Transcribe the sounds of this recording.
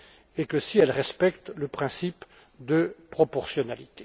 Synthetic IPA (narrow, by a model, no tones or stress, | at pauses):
ekəsiɛlʁɛspɛkt̪ləpχɛ̃sip | d̪əpχɔpɔʁsjɔnalit̪e